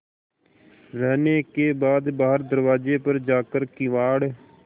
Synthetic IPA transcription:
ɾɛːneːkeːbaːd̪baːɦəɾd̪əɾʋaːd͡ʒeːpəɾd͡ʒaːkəɾkiʋaːɽ

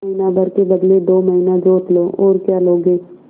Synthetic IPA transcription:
əɦinabʱəɾkebəd̪led̪oːməɦinad͡ʒoːt̪loːoːɾkjaːloːɡeː

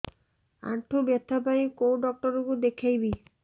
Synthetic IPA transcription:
a̰ɳʈʰobjɔt̪ʰːapajĩkowɖɔk̚ʈɔɾukud̪ekʰejbi

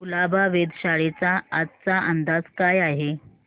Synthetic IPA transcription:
ulabaʋed̪ɕaɭet͡saat̪t͡saʔənd̪ad͡zkajaɦe

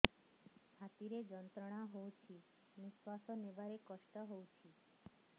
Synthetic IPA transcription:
kʰat̪iɾed͡ʒənt̪ɾəɽ̃aɦowt͡ʃʰi | miʃwasɔnebaɾekəʃʈəɦowt͡ʃʰi

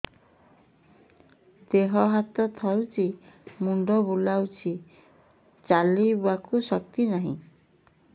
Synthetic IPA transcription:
d̪eɦɔɦat̪ɔt̪ʰawt͡ʃimuɳɖɔbulawt͡ʃʰi | t͡ʃalibakusɔk̚t̪inaɦḭ̃

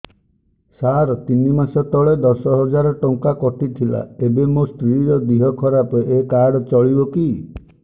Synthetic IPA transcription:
saɾɔt̪inimasɔt̪ɔɭed̪ɔsɔɦɔd͡ʒaɾɔʈɔŋkakɔʈʰit̪ʰila̰ebemost̪ɾiɾɔd̪iɦɔkʰɔɾapɔekaɽɔt͡ʃɔɭibɔki

